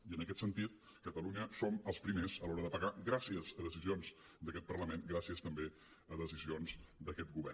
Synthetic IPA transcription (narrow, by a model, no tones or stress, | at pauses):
iənəkɛt̪sənt̪it̪̚ | kət̪əluɲəsoməlˠspɾimezəlɔɾəðəpəɣaɣɾasiəzəðəzizionz | d̪əkɛt̪̚pərləmenɡɾasiəst̪əmbe | əðəzizionzd̪əkɛt̪̚ɡuβɛr